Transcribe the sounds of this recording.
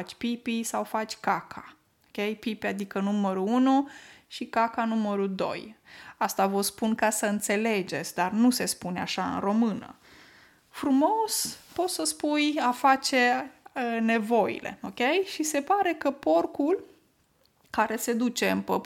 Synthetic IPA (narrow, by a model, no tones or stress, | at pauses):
at͡ʃʲpipisawfat͡ʃʲkakʰa | okʲe̞jpipiad̪ikənuməɾuunuʃikakanuməɾud̪o̞̰jast̪avəspunkasəɨnt̪se̞le̞d͡ʒe̞t̪sʲd̪arnuse̞spuna̰ʃaɨ̰nro̞mɨnə̰ | fɾumo̞spo̞t̪səspujafat͡ʃe̞əne̞vo̞ḭlʔe̞̰okʲe̞jʃise̞paɾe̞kəpo̞rkul | kaɾe̞se̞d̪ut͡ʃe̞ɨmpə